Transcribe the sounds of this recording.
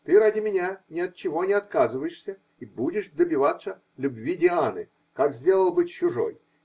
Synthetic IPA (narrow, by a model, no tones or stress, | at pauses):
t̪ɨɾadʲɪmʲɪnʲanʲɪɐt̪̚t͡ɕɪvonʲɪɐt̪kazɨvəjɪʂsʲə | ibudʲɪʂd̪əbʲɪvat̪sə | lʲʊbvʲidʲɪanɨ | kakzʲdʲe̞lˠəlˠbɨt͡ɕːʊʐo̰j